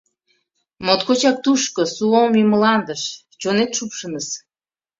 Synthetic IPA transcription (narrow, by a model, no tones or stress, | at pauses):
mot̪kot͡ɕɑk̚t̪uʃkosuomjiməlɑnd̪əʃ | t͡ɕonet̪ʃupʃənəs